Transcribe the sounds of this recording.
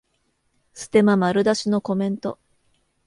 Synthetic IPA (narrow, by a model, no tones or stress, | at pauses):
sɨ̥t̪e̞mamaɾɯ̟d̪aɕino̞ko̞mẽ̞nt̪o̞